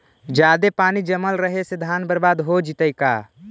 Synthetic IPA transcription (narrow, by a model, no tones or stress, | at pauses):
d͡ʒaːd̪epaːnid͡ʒəməlɾəɦesed̪ʱaːnbəɾbaːd̪ɦod͡ʒit̪əjka̰